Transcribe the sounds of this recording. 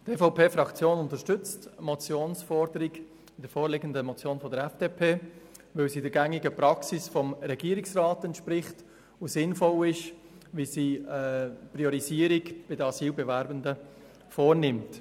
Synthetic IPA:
tefaʊpʰeːfɾɑkt͡sjoːnʊntəʃtʏt͡stmɔt͡sjoːnsfɔɾdəɾiɡ | ɪd̥əɾfoːɾlɪɡəndəmɔt͡sjoːnfɔdəɾɛfd̥epʰeː | vɪlsiːdɛɾɡɛŋɪɡəpɾɑksɪsfɔmɾɛɡiːɾɪksrɑːtɛntʃpɾɪχt | ʊsɪnfɔlɪʃ | ʋisiːəpɾiɔɾiziːɾiɡb̥ɪdəɑsiːlbɛvɛɾbəndə | foːɾnɪmt

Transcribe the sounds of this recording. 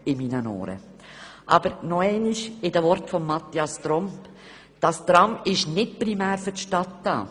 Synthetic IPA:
ɪminənɔ̰ːɾə̰ | ʔɑ̰b̥əɾnɔɛɪniʃɪdəvɔɾtfɔmːɑt̪ːjɑst̪ɾɔmp | d̥ɑst̪ɾɑmɪʃnɪt̚pɾimæːɾfʏtʃtɑtdɑ̰ː

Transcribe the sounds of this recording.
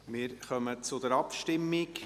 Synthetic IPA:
mɪːɾχœmət͡sʊd̪ɛɾɑpʃtɪmːɪk

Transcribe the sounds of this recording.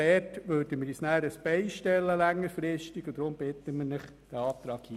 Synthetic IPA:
ɛtʋøːɾdəmɪɾjisnæːɾəsb̥ɛɪʃtɛlːəlæŋːəɾfɾɪʃtiɡ̥od̥̪ɾʊmb̥ɪt̪ːəmɪnɪχ | d̥æɑːp̚t̪ɾɑːkhiː

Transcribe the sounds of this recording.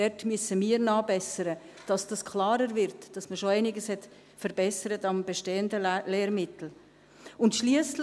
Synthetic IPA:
ɛtmyəsəmiːəɾnɑːbɛsəɾə | d̥ɑsd̥ɑskʰlɑːɾəɾvɪɾtd̥ɑsməʃoæɪnɪɡəshɛt | fəɾbɛsəɾətɑmbeʃteːəndəleːɾmɪtl̩ | ʊntʃliəsl

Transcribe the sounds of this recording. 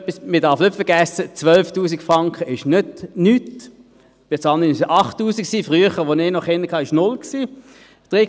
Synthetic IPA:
pːismidɑʁfnʏtfəɐɡæsət͡svœlftuːsiɡfʁɑŋkʰχəʔɪʃnʏdnyt | b̥et͡sɑnənɪsʔɑχtːuːsiksiːfʁyəχəʋonɪːnɔχɪnːəkʰɑːɪʃnʊlksiː | d̥ʁe

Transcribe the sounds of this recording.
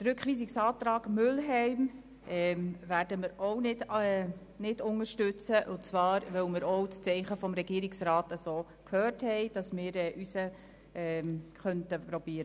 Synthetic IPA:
t͡sɾʉkχʋiːsiksɑːtɾɑːɡ̥mʏlɦɛɪm | ʔɛmvæːɾdəmɪɾownɪdɛ | nɪdʊŋəʃtʏt͡səʔʊt͡svɑːɾʋœwmɪɾɔwt͡st͡sɛɪχəfɔmɾɛɡ̥iːɾɪksɾɑːtəsoː | kʰhøːthɛɪd̥ɑsmɪːɾɛːʔysə | ɛːχœntəpɾɔb̥iːɾə

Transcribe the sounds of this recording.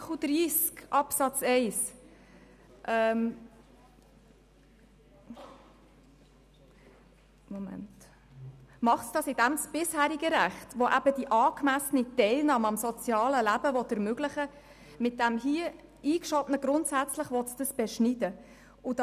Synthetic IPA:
ud̥̪ɾiːskʔɑpsɑt͡sɛɪs | ʔɛm | momæ̰nt | mɑχtsd̥ɑsɪdæmsb̥ɪshæːɾiɡəɾæχtʋɔʔæbəd̥iʔɑːkmæsənitɛɪlnɑːməɑmsɔt͡sjɑːləlæbəvɔt̪əɾmøɡlɪχə | mɪt̚d̥æmɦiə | iːkʃɔbnəɡɾʊntsæt͡sləχʋɔtsd̥əsb̥ɛʃnidə | ʊd̥ɑ

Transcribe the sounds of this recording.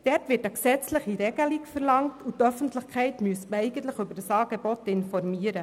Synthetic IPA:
d̥ɛɾtʋɪːɾtəksɛt͡sləχiɾɛɡəlikfəɾlɑŋtutœfən̩tləχkʰχɛɪtmyəsməɛɪɡən̩tləχʏbəɾdəsɑːɡebɔtɪnfɔɾmiːəɾə

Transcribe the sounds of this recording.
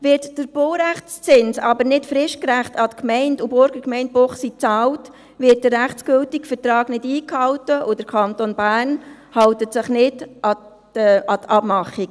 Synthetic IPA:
ʋɪɾtd̥əɾb̥oʊɾæχt͡st͡sɪnsɑ̰bəɾnɪtfɾɪʃkɾæχtɑtkmɛɪndubʊɾɡ̥əkmɛɪnt̚boχsit͡sɑːlt | vɪt̚dəɾæχt͡sɡ̥ʏltikfətrɑːɡ̥nɪdiːkhɑwtəʔʊd̥əɾkʰɑntonbæːrn | hɑwtətsɪχnɪdʔɑ | ɑtʰɑbmɑχːiɡ

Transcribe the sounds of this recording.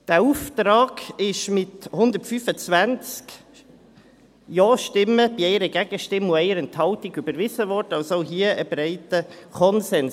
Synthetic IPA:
d̥æuft̪ɾɑːɡɪʃmɪthʊnd̪əɾtfyːfət͡svænt͡sk | jɔːʃtɪməbiɛɪɾəɡæɡ̥əʃtɪmːʊɛɪəɾɛnthɑltiɡybəɾvɪzəʋɔɾdɑlsoɦiəʔəbɾɛɪtəkʰɔnsɛns

